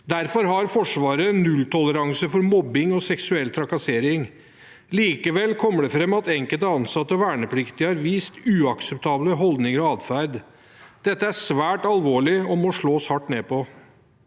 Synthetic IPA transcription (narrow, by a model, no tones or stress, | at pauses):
d̪æɾfɔɾɦɑɾfɔʂʋɑːɾənʉlt̪ʰɔləɾɑŋsəfɔɾmɔbːɪŋɔsɛksʉɛlt̪ʰɾɑkɑseːɾɪŋ | liːkəʋɛlːkʰɔmːəɖɛfɾɛmːɑt̪ɛŋkəlt̪əɑnsɑt̪ːəɔʋæːɳəpʰlɪkt̪ɪhɑɾʋiːst̪ʉːɑksəp̚t̪ʰɑːbləɦɔld̪nɪŋəɾɔɑːd̪fæɾd̪ | d̪̥ɛt̪ːəæʂʋæːʈɑlʋoːɭɪɔmɔʂɭoːshɑʈːneːpɔ